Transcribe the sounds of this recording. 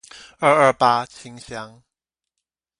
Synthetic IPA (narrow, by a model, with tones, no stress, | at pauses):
əː˧ʔəː˧˩paː˧t͡sʰi˨˥˦ŋsja˨˥ŋ